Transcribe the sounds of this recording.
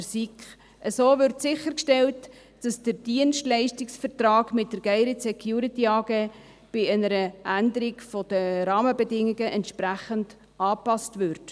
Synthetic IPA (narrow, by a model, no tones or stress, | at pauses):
sikχ | əsoːvʏɾtsɪχəɾkʃtɛlt | d̥ɑsd̥əɾd̥iənstlɛɪʃtɪksfəɾt̪rɑːɡmɪt̚d̥əɾɡ̥ɛɪɾisɛkʰjuːɾitiɑːɡeː | b̥ɪɛnəɾəʔændəɾiɡfɔd̥əɾɑːməbɛdɪŋːiɡəʔɛntʃpɾæχənd̥ | ɑːpɑstvʏɾt